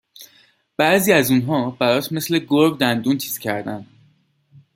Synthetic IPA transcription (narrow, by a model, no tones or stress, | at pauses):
b̥æʔziːæzunɦɒːbæɾɒːt̪ʰme̞sle̞ɡoɾbd̪ænd̪unt̪ʰi̥ːscʰæɾd̪ænd̪̥